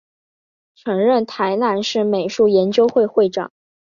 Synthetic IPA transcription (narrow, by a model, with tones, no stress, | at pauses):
ʈ͡ʂʰɤ˧˥ŋɻə˥˩nt̪ʰa˧˥ɪna˥˧nʂɻ̩˥˩me˨˩ɪʂu˥˩jɛ˧˥nt͡ɕjo˥ʊxwe˥˧ɪxwe˥˩ɪʈ͡ʂɑ̰˨˩˦ŋ